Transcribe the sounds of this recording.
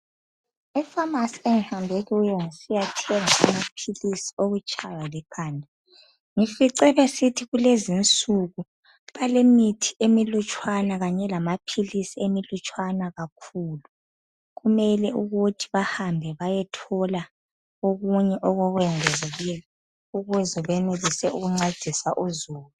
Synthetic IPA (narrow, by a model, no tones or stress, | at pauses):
ifamasieŋihambʱeɣɛujɔŋisijatʰiɛŋaamapʰilisi̥oɣut͡ʃʼʰajalɛkʰaːnʱa | ŋifiǀɛβɛsitʰiɣulezint͡sʼuɣu | βalemitʰi̥emilut͡ʃʼwanaɣaɲɛlamapʰilisiemilut͡ʃʼwanaɣakʰuːlu | ɣumɛlɛuɣutʰi̥βahambʱɛβajɛtʰɔla | oɣuɲɛʔɔɣɔɣwɛŋɛzeɣilɛ | uɣuzɛβɛnelisɛuɣuŋ͡ǀad̥ʱisaʔuzuːlu